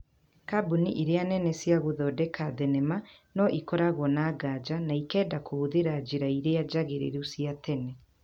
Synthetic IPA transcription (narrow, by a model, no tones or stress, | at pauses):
kabuniʔeɾeanɛnɛsjaɣoðɔdɛkaðɛnɛma | nɔʔikɔɾaɣwɔnaːɡad͡ʑanaikɛːdakooðeɾad͡ʑiɾaiɾead͡ʑaɣeɾḛɾesiatɛnɛ